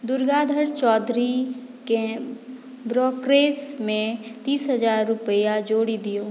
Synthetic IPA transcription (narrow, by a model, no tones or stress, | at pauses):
d̪ʊɾɡaːd̪ʱəɽt͡ʃɔːd̪ɾi | kẽ | bɾɔːkɾeːsmẽt̪iːsɦəzaːɾːʊpəjad͡ʒoːɽid̪ijoː